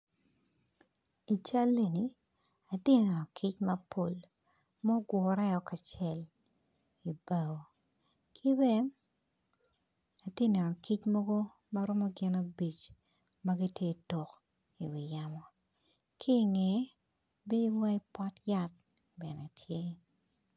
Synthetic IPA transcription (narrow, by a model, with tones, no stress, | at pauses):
i˨t͡ʃa˦lːe˨ni˨ | a˨dɪ˦nɛ˨nɔ˨kʰi˦t͡ʃmɐ˦pʰo˨l | mɔ˦ɡwɔ˨˦ɾɛ˦ɔ˨ka˨t͡ʃɛ˦˨l | i˨ba˨o˨ | kʰi˦bɛ˦ | a˨dɪ˦nɛ˨nɔ˨ki˦t͡ʃmɔ˦ɡo˦ | ma˦ɾɔ˦mɔ˦ɡɪ˦na˦bi˨t͡ʃ | ma˦ɡi˦tje˦dɔ˨k | i˨wi˨ja˦mɔ˨ | kʰi˦˨ŋɛ˨˦ | be˦i˦wa˦i˦pɔ˦tja˦t̚ | bɛ˨nɛ˨tʰje˦